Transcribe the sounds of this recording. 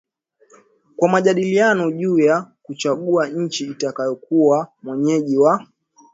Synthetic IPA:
kwamaʄaɗilianɔʄuːjakut͡ʃaɠuaɲ̩t͡ʃiːtakajɔkuwamwɛɲɛʄiwa

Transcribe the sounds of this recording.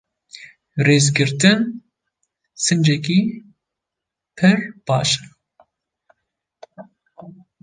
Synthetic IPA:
reːzɡɨɾt̪ɨn | sɨnd͡ʒɛk̬ʲiː | pʰɨɾb̥ɑːʃɐ̥

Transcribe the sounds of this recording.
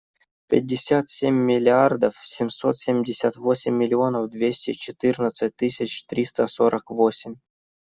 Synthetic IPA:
pʲɪ̰t̚ʲːɪsʲat̪sʲemʲːilʲiard̪əfsʲɪmʲsot̪sʲemʲdʲɪsʲat̪vosʲɪmʲːilʲionəfd̪vʲesʲtʲet͡ɕɪt̪ɨrnət̪sɨtʲt̪ːɨsʲɪt͡ɕt̪ɾʲist̪əsoɾʔəkvosʲɪmʲ

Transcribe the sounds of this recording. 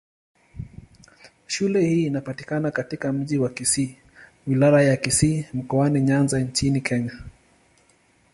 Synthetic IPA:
ʃulɛhiːnapatikanakatikam̩ʄiwakisi | wilaɾajakisiːm̩kɔaniɲanzaɲt͡ʃinikʰɛɲa

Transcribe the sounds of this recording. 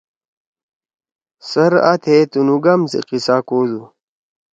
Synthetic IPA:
sɐɾa̰t̪ʰet̪unuɡamsḭqisaːkoːzu

